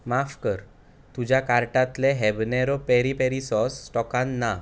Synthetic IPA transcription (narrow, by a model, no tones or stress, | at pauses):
mafkəɾ | t̪ud͡ʑjakaɾʈat̪lɛɦɛbnɛɾɔpɛɾipeɾisɔsːʈɔkanːa